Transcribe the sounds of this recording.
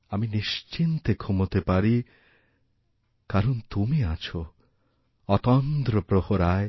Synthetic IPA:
aminiʃt͡ʃint̪ekʰumot̪epaɾi | kaɾɔnt̪umiat͡ʃʰo | ɔt̪ɔnt̪ɾɔpɾohoɾae

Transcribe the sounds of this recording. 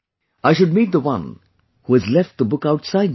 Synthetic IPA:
aɪʃʊɖ̚miːt̪̚d̪əwʌ̰̃n | huɨzlɛfʈ̚d̪əbʊkaʊʈsaɪd̚

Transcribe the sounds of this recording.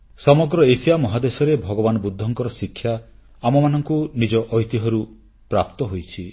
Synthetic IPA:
sɔmɔɡɾɔesijamɔɦad̪esɔɾebʱɔɡɔbanɔbud̪ʱːɔŋkɔɾɔsikʰːja | amɔmanɔŋkunid͡ʒɔʔɔɦjt̪iɦɔɾu | pɾapt̪ɔɦojt͡ʃʰi

